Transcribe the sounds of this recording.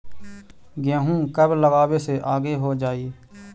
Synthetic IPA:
ɡɪjãːɦũːkəbləɡaːweːseːʔaːɡeːɦoːd͡ʒaːiː

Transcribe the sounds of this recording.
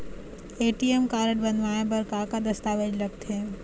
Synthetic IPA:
eːʈiemkaːɾəʈbɐnʋaːẽpɐɾkãːkad̪ɐst̪aːʋed͡ʒlɐɡ̚t̪ʰeː

